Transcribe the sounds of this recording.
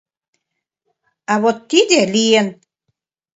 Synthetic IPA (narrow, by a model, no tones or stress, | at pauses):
aβot̪ːidʲelijen